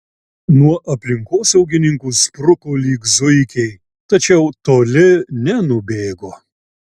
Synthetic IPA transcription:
nuɔʔɐpʲlʲɪŋkoːsɛʊɡʲɪnʲɪŋkuːspɾʊkoːlʲiːkzʊɪkʲɛɪ | t̪ɐt͡ʃʲɛʊt̪oːlʲɪnʲɛnʊbʲeːɡoː

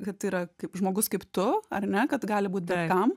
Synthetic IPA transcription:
kɐt̪ːiːɾɐkɐɪpʒmoːɡʊskɐɪpt̪ʊɐrnʲɛkɐt̪ɡɑːlʲɪbuːt̪bʲɛkɐm

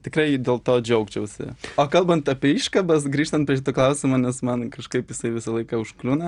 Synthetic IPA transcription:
t̪ʲɪkɾɐɪdʲeːlˠt̪oːd͡ʒʲɛʊkt͡ʃʲɛʊsʲɪ̰oːkɐlˠbɐnt̪ɐpʲɛiːʃkɐbɐsɡɾʲiːʃt̪ɐnt̪pʲɾʲɛʃ̬ʲɪt̪oklˠɐʊsʲɪmoːnʲɛsmɐnkɐʃkɐɪpjɪsɐɪʋʲɪsɐlˠɐɪkɐʊʃklʲuːnɐ

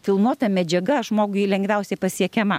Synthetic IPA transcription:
fʲɪlˠnuɔt̪ɐmʲɛd͡ʒʲɛɡɐʒmoːɡʊɪlʲɛŋɡʋʲɛʊsʲɛɪpɐsʲiɛkʲɛmɐ

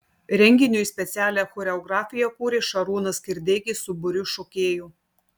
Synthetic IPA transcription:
ɾʲɛŋʲɡʲɪnʲʊisʲpʲɛt̪sʲæːlʲɛxɔɾʲɛɔɡɾɑːfʲɪjɛkuːɾʲɪʃɐɾuːnɐskʲɪɾʲd̪ʲeːɡʲɪsʊbʊɾʲʊʃoːkʲeːjuː

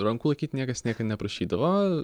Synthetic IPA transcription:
ɾɐŋkulˠɐɪkʲiːtʲnʲiɛkɐsnʲiɛkɐnʲɛpɾɐʃʲiːd̪ɐʋoː

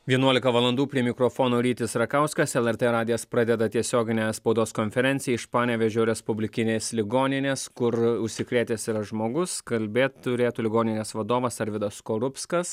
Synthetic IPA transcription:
ʋʲiɛnuɔlʲɪkɐʋɐlˠɐnd̪uːpʲɾʲiɛmʲɪkɾoːfoːnoːɾʲiːt̪ʲɪsɾɐkɐʊskɐsɛlˠɛɾt̪eɾɑːd̪ʲɪjɛspɾɑd̪ʲɛd̪ɐt̪ʲiɛsʲoːɡʲɪnʲɛːspɐʊd̪oːskonʲfʲɛɾʲɛnʲsʲɪjɛɪʃpɑːnʲɛːʋʲɛʒʲoːɾʲɛspʊbʲlʲɪkʲɪnʲeːslʲɪɡoːnʲɪnʲeːskʊɾʊʃʲsʲɪkɾʲeːt̪ʲeːsɪɾɐʒmoːɡʊskɐlʲbʲeːt̪tʊɾʲeːt̪uːlʲɪɡoːnʲɪnʲeːsʋɐd̪oːʋɐsɐɾʋʲɪd̪ɐskoːɾʊpskɐs

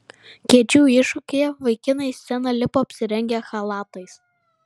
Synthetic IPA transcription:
kʲiɛt͡ʃʲuːɪʃʊkʲeːjɛʋɐɪkʲɪnɐɪsːʲɛnɐlʲɪpoɐpʲsʲɪɾʲɛŋʲɡʲɛxɐlˠɑːt̪ɐɪs

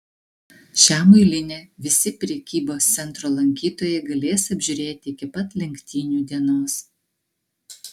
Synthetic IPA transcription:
ʃʲæːmʊɪlʲɪnʲeːʋʲɪsʲɪpʲɾʲɛkʲiːboːst̪sʲɛnˑt̪ɾoːlˠɐŋʲkʲiːt̪oːjɛɡɐlʲeːsɐbʲʒʲʊɾʲeːt̪ʲɪɪkʲɪpɐt̪lʲɛŋʲkʲt̪ʲiːnʲuːd̪ʲiɛnoːs

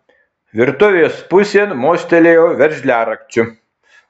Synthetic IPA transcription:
ʋʲɪɾt̪ʊʋʲejoːspʊsʲeːnmoːsʲt̪ʲɛlʲeːjoːʋʲɛɾʲʒʲlʲæːɾɐkt͡ʃʲʊ

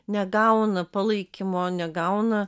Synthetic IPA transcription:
nʲɛɡɐʊnɐpɐlˠɐɪkʲɪmoːnʲɛɡɐʊnɐ

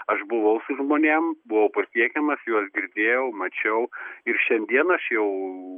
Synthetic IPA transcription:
ɐʃbʊʋɐʊsʊʒmoːnʲembʊʋɐʊpɐsʲiɛkʲɛmɐsjuɔsɡʲɪɾʲd̪ʲeːjɛʊmɐt͡ʃʲɛʊɪɾʃʲɛnʲd̪ʲiɛnɐɐʃjɛʊ

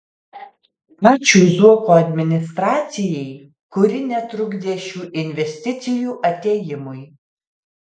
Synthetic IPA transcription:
ɑːt͡ʃʲuːzuɔkoːɐd̪ʲmʲɪnʲɪst̪ɾɑːt̪sʲɪjɛɪ | kʊɾʲɪnʲɛt̪ɾʊɡd̪ʲeːʃʲuːʔɪnʲʋʲɛsʲt̪ʲɪt̪sʲɪjuːʔɐt̪ʲeːjɪmʊj

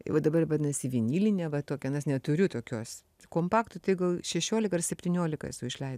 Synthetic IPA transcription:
ɪ̰ʋɐd̪ɐbɐrʋɐnɐsʲɪʋʲinʲiːlʲɪnʲɛʋɐt̪oːkʲɛɐnɐsnʲɛt̪ʊɾʲʊt̪oːkʲoːs | koːmpɑːkt̪ʊtɐɪɡɐlˠʃʲɛʃʲoːlʲɪkɐrsʲɛpʲt̪ʲinʲoːlʲɪkɐ̰ɛ̰sʊɪʃʲlʲɛɪ

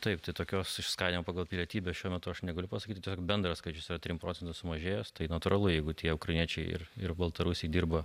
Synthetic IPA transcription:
t̪ɐɪpt̪ɐɪt̪oːkʲoːsɪʃskɑːd̪ʲimɐːpɑːɡɐlˠpʲɪlʲiɛt̪ʲiːbʲoːsʃʲuɔmʲɛt̪ʊɐʃnʲɛɡɐlʲʊpɐsɐkʲiːt̪ʲɪt̪ʲiɛsʲoːkbʲɛnd̪ɾɐskɐɪt͡ʃʲʊsiɾɐt̪ʲɾʲimpɾoːt͡sʲɛnt̪ɐsʊmɐʒʲeːjost̪ɐɪnɐt̪uːɾɐlˠʊjɛɪɡʊt̪ʲiɛʊkrɐɪnʲiɛt͡ʃʲɛɪɪ̰rɪrbɐlˠt̪ɐɾusʲɛɪd̪ʲiːrbɐ

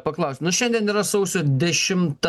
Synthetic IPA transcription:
pɐklˠɐʊsʲt̪ʲnʊʃʲɛnʲd̪ʲiɛniːɾɐsɐʊsʲoːd̪ʲɛʃʲɪmt̪

